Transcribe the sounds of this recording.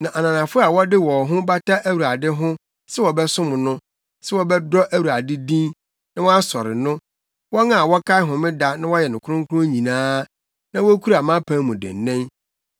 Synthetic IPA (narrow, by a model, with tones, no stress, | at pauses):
nã˨ʔa˨nã˨nã˨fʊ˦a˨wɔ˦dɪ˦wɔ˨ɦʊ̃˦ba˦tʰa˦ʔæ˦wu˨ɾa˨dɪ˦ɦʊ̃˦ | sɛ˦wɔ˨bɛ˦sʊ̃˦mʊ̃˨nʊ̃˦ | sɛ˦wɔ˨bɛ˦dɔ˦ʔæ˦wu˨ɾa˨dɪ˦dĩ˦n | nã˦wɔ˦a˦sɔ˨ɾɪ̰˨nʊ̃˦ | wɔ˦ŋã˦˨a˨wɔ˦kʰa˦ɪ˦ɦʊ̃˨mɪ̃˦da˦nã˦wɔ˦jɛ˨nʊ̃˨kʰʊ˦ɾʊ̃˦ŋ˦kʰʊ˦ɾʊ̃˦ɲĩ˨nãː˦ | nã˦wɔ˦kʰu˦ɾa˨mã˦pʰã˦mːʊ̃˨dɪ̰˨n˨nɛ̃˦n